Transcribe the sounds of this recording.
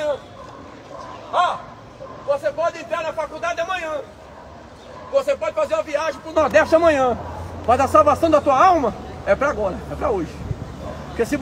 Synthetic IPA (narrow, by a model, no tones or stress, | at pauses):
ɐ̃ | ɔ | vosepɔd͡ʒ̪ɪẽnt̪ɾaɾnɐfakud̪ad͡ʒɪd̪ɐmɐ̃ɲɐ̃ | vosepɔd͡ʒɪfazeɾũviaʒɪ̃pɾʊnɔd̪ɛʃt̪ɐmɐ̃ɲɐ̃pazɐsawvasɐ̃w̃d̪ɐt̪uɐawmɐɛpɾɐaɡɔɾɐɛpɾɐoʒɪ | po̥kesɪ